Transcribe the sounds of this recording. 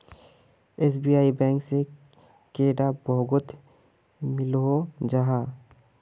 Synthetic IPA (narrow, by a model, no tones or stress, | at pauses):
eːsbijaːibɛ̃ːŋkse | keːɖabɔɡʊt̪ | mɪlɦod͡ʒaɦaː